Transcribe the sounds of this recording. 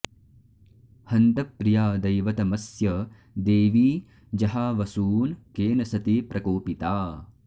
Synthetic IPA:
hɐnt̪ɐpːɾijaːd̪ɐjʋɐt̪ɐmɐsjɐ | d̪eːʋiː | d͡ʒɐɦaːʋɐsuːnkeːnɐsɐt̪iːpɾʔɐkoːpit̪aː

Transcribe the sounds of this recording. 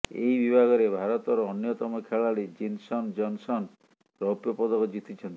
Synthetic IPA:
ejbibʱaɡɔɾebʱaɾɔt̪ɔɾɔːnjɔt̪ɔmɔkʰeɭaɽed͡ʒinsɔnd͡ʒɔnsɔn | ɾɔpjɔpɔd̪ɔkɔd͡ʒit̪it͡ʃʰɔnt̪i̥

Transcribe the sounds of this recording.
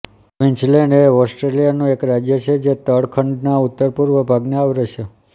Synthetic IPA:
ʋɪnt͡ʃleɳɖeɔsʈɾelijanũekɾad͡ʒjət͡ʃʰed͡ʒet̪əɽkʰəɳɖnaut̪ːəɾpuɾʋəbʱaɡneaʋɾeʃʰe

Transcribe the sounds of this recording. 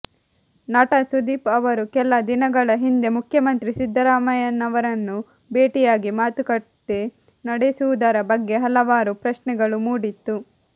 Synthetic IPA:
naːʈɐsud̪iːpɐʋɐɾukɛlːɐd̪inɐɡɐɭɐɦind̪e̞mukʰjɐmɐnt̪ɾisid̪ʱːɐɾaːmɐjɐnɐʋɐɾɐnːu | beːʈijaːɡimaːt̪ukɐʈːe | nɐɽesuʋud̪ɐɾɐbɐɡːe̞ɦɐlɐʋaːɾupɾɐʃnɛɡɐɭumuːɽit̪ːu

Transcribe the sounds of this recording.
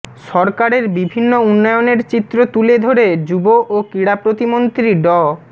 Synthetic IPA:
ʃɔɾkaɾeɾbibʱinːounːɔejoneɾt͡ɕit̪ːɾot̪uled̪ʱoɾed͡ʑuboʔokɾiɽapɾot̪imont̪ɾiɖɔ

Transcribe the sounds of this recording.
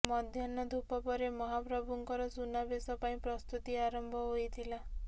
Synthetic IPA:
mɔd̪ʱjɔnɔd̪ʱupɔpɔɾemɔɦapɾɔbuŋkɔɾɔsunabesɔpaĩpɾɔst̪ut̪iaɾɔmbʱɔɦojt̪ʰila

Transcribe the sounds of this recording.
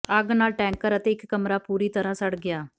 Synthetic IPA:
əɡnaːlʈɛ̃ːŋkəɾət̪eːɪkːəmɾaːpuːɾiːt̪əɾãːsəɽɡɪjaː

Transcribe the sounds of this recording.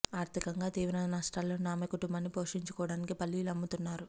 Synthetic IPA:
aːɾt̪ʰikɐŋɡaːt̪iːʋɾɐnaːʂʈaːlːo̞ːnaːmɐkuʈumbɐnːipo̞ːʂiɲt͡ʃukɔːɐɽaːnikipɐlːilɐmːut̪unːaːɾu

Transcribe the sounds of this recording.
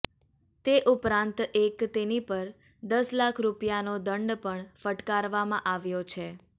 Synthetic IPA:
t̪eʔupɾãnt̪ekt̪enipəɾ | d̪əslakʰɾupijanod̪əɳɖpəɳfəʈkaɾʋamãʔaʋjot͡ʃʰe

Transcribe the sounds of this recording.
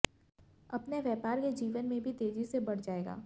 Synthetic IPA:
ɐpneʋjɛːpaːɾked͡ʒiːʋənmẽbʱit̪eːd͡ʒisebɐɽ̤d͡ʒaːeːɡa̰ː

